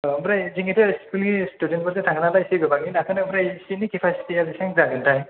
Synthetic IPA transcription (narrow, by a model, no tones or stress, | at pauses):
mɾajziŋetɯskulɡistudent̚bɔzetʰaŋnalajsiɡɯbaɡinakʰɯnɯmɾajsinikepʰasi̥tialisaŋzaɡɯntaj